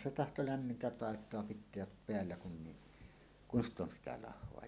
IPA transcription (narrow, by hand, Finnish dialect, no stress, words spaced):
se tɑhto læmːintæ pɑˑetˑoɑ pitˑeæp peælːæ kun ni kun st on sitæ lɑhˑoɑ